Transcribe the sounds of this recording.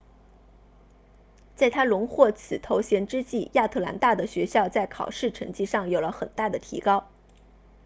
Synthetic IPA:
t͡sa˥˩ɪt̪ʰa˥lʊ˧˥ŋxwɔ˥˩t͡sʰɹ̩˨˩t̪ʰo˧˥ʊɕjɛ˧˥nʈ͡ʂɻ̩˥t͡ɕi˥˩ja˥˧t̪ʰɤ˥˩la̰˧˥nt̪a˥˩d̪ə˩ɕɥɛ˧˥ɕjɑ˥˧ʊt͡sa˥˩ɪkʰɑ̰˨˩ʊʂɻ̩˥˩ʈ͡ʂʰɤ˧˥ŋt͡ɕi˥˧ʂɑ˥˩ŋjo˨˩ʊlə˦xə˨˩nt̪a˥˩d̪ə˩t̪ʰḭ˧˥kɑ˥ʊ

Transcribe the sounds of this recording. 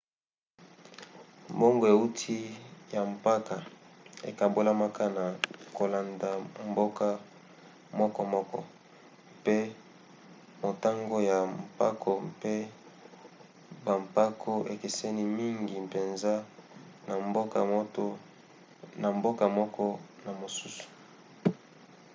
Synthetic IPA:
mbo˦ŋɡo˨e˨u˦tʰi˦ja˨m˨pa˦ka˨ḛ˨ka˨mbo˦la˦ma˦ka˦na˨ko˨la˨nda˨mbo˦ka˦ | mɔ˦kɔ˦mɔ˦kɔ̰˦ | pe˦ | mo˨ta˦ŋɡo˦ja˨mpa˦kʰo˨pe˦ | ba˨mpa˦kʰo˦ʔe˨ke˨se˦ni˦mi˦ŋɡi˨pe˨nza˦ | na˨mbo˦ka̰˨˦to˦ | na˨mbo˦ka˨mɔ˦kɔ˦na˨mo˨su˦su̥˨

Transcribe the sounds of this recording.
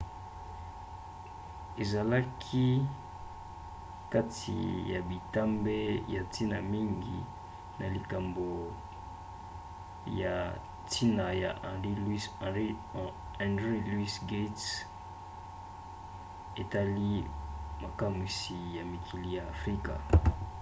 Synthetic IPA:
e˨za˨la˦kʰi˦ | ka˦tʰḭ˨ja˨bi˨ta˦mbe˦ja˨ti˦na˨mi˦ŋɡḭ˨ | nʔa˨li˨ka˨mbo˨ | ja˨ | tʰi˦na˨ja˨i˦li˦ | ã˨ndʁi˦lu˦i˦sɡe˦ts | e˨ta˦li˦ma˨ka˦mwi˦si˨ja˨mi˨kʰi˨li˦jaː˨fʁi˦ka̰˨

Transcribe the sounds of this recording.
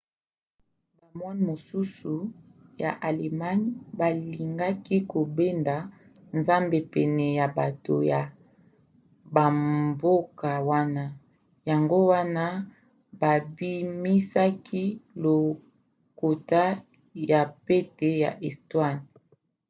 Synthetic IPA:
ba˨mwa˦n˨mo˨su˦su˨ja̰˨ʔa˨le˨ma˦nba˨li˨ŋɡa˦ki˦ko˨be˦nda˨ | nza˦mbe˨pɛ˨nɛ˨ja˨ba˨to̰˨ja˨ | ba˨mbo˦ka˨wa˦na˦ | ja˨ŋɡo˦wa˦na˦ | ba˨bi˦mi˦sa˦kʰi˦lo˨ | ko˨ta˦ | ja˨pe˦te˨ja̰˨ʔɛ˨stwa˦n

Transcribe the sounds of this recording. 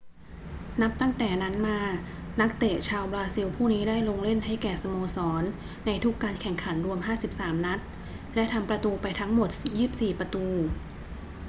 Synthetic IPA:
na˦˥p̚t̪a˥˩ŋt̪ɛː˨˩na˦˥nmaː˧ | na˦˥k̚t̪e˨˩t͡ɕʰaː˧wbɾaː˧si˧wpʰuː˥˩niː˦˥daː˥˩jlo˧ŋle˥˩nɦa˥˩jkɛː˨˩sa˧moː˧sɔː˩˦nː | a˧jt̪ʰu˦˥kːaː˧nkʰɛ˨˩ŋkʰa˩˦nɾu˧əmhɦaː˥˩si˨˩p̚saː˩˦mna˦˥t̪̚ | lɛ˦˥ʔt̪ʰa˧mpɾa˧t̪uː˧pa˧jt̪ʰa˦˥ŋmo˨˩t̪̚jiː˥˩p̚siː˨˩pɾa˧t̪uː˧

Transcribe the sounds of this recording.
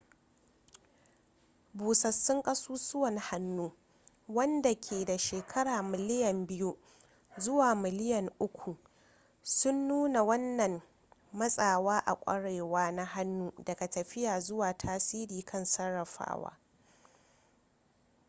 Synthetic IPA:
buː˨sɐ˨sːʊ˦ŋkʼɐ˦suː˦sʊ˦wɐ˨n˨ha˦nːuː˦ | wɐ˦nda˨kʲʰeː˨da˨ʃeː˨kʰɐ˦ɽaː˨mɪ˨lɪ˦jɐ˨mbɪ˦ju˦ | zʊ˦waː˨mɪ˨lɪ˦jɐ˨ŋʔʊ˦kʷu˨ | sʊ˦nːuː˦na˨wɐ˦nːɐ˨m | mɐ˦sʼaː˨waː˦ʔa̰˨kʷʼɐ̰˦ɽe˨waː˦na˦ɦa˦nːuː˦dɐ˨ɡa˨tɐ˨ɸɪ˦jaː˨zʊ˦waː˨tʰaː˦siː˦ɾiː˨kʰɐ˦nsɐ˦rːɐ˨ɸa̰ː˦wa̰ː˦

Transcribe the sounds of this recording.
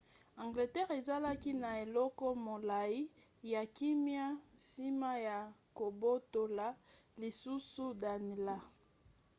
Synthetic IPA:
ã˨ŋɡle˨tɛ˦ʁe˨za˦la˦ki˦na˨e˨lɔ˦kɔ˦mo˨la˨i˦ | ja˨ki˦mja˦si˦ma˦ja˨ko˨bo˦to˨la˨˦ | li˨su˦su˦da˨ni˨la˦

